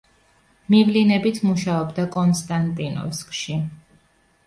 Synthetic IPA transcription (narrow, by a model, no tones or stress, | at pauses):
mivlinɛbit̪ʰmuʃaɔbd̪akʼɔnst̪ʼant̪ʼinɔ̰skʼʃi